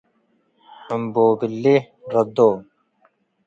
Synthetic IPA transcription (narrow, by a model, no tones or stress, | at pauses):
ɐmboːbilːi | ɾɐd̪oː